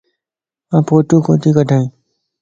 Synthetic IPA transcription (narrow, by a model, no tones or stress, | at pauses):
ãːpoːʈũːkõ̰ːt̪iːkəʈaːĩː